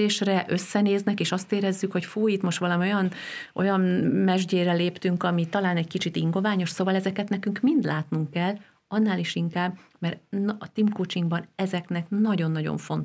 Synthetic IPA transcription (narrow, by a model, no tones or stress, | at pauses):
eːʃrɛʔø̞sːɛneːznɛkeːʃɒst̪eːɾɛzːykho̞cfuːit̪mo̞ʃt̪ʋɒlɒmio̞jɒnʔo̞̰jɒmmɛʒɟeːɾɛleːpt̪yŋkɒmit̪ɒlaːnɛɟkit͡ʃit̪iŋɡo̞vaːɲo̞ʃsoːvɒlɛzɛkɛt̪nɛkyŋkmind̪laːt̪nuŋkːɛlː | ɒnːaːleːʃiŋkaːbmɛrnt̪imkoːt͡ʃiŋɡbɒnɛzɛknɛknɒɟo̞nːɒɟo̰ɱfo̞nt̪